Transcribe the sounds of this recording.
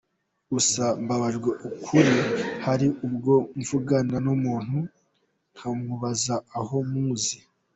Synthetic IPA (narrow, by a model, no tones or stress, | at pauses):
usambaβaʒɡweʔukʰuɾihaɾiʔub̚ɡo̞ɱvuɡananumuːn̥hu | n̥hamuβazaːho̞muːzi